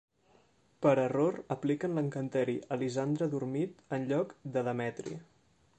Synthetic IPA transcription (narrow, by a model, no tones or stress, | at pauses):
pəɾəroɾəplikənləŋkənt̪ɛɾiʔəlizand̪ɾəðurmit̪ənʎɔkd̪əðəmɛt̪ɾḭ